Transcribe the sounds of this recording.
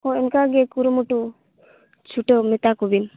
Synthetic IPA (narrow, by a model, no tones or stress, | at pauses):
ɔɛnkaɡekuɾumuʈu | t͡ʃʰuʈemit̪akubin